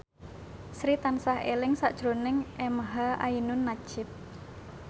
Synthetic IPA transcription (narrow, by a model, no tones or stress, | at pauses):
sɾit̪ansaɦḛlɪŋsaʔd̥ʒ̥ɾonɪŋʔemɦaʔa̰inʊnːḁʒ̥ɪp̚